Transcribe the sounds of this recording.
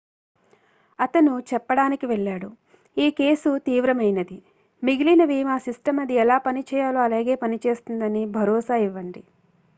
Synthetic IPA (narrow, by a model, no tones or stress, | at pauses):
ɐt̪ɐnut͡ʃɛpːɐɽaːnikiʋɛɭːaːɽu | iːke̞ːsut̪iːʋɾɐmɐjnɐd̪i | miɡilinɐʋiːmaːsisʈɐmɐd̪iɛlaːpɐnit͡ʃɛːjaːluɐlaːɡe̞ːpɐnit͡ʃe̞ːst̪und̪ɐnibʱɐɾɔːsaːiʋːɐɳɖi